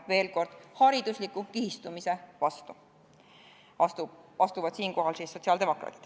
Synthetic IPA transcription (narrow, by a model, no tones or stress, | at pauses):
ve̞ːlko̞rd̪̥hɑɾid̪̥uslikːˑukihist̪umise̞vɑst̪u | ɑt̪uɑst̪uvɑd̪̥siːŋko̞ɦɑlsisːo̞t̪siɑld̪emo̞kˑɾɑ̰ːt̪ˑi̥d̪̥